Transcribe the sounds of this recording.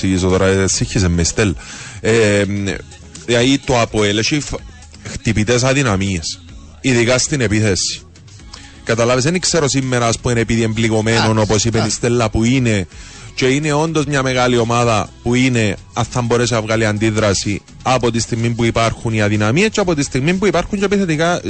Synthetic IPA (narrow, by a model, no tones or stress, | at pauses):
iʝisoðoɾasiçːis̬emːeist̪elːɐe | ait̪oapoeleʃif | xt̪ipit̪es̬ɐðinɐmies | iðikast̪inepiθesːi̥ | kat̪alaves̬enikse̞ɾo̞simːe̞ɾaspuenepiðie̞mbliko̞meno̞no̞posipenist̪elːapuine̞ | ce̞ine̞o̞nd̪o̞zmɲame̞ɣalio̞maðapuine̞ | aθːamboɾes̬eavɣaliand̪iðɾasi | apot̪ist̪iɣmimpuipaɾxuniaðinamiescːeapot̪̬ist̪iɣmimpuipaɾxuɲt͡ʃepiθet̪ika